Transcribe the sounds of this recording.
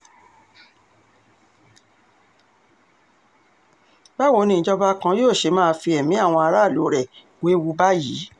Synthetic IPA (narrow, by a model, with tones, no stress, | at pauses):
ba˦˨wo˧˦˧nĩ˧˨d͡ʒɔ˦ba˦kã˧joː˦˨ʃe˧mãː˦˧fi˧ɛ˨mĩ˨˦a˦˨w̃ɔ̃˧a˧ɾa˦˨lo˨˦ɾɛ˦˨ | we˨˦wu˧ba˦ji˨˦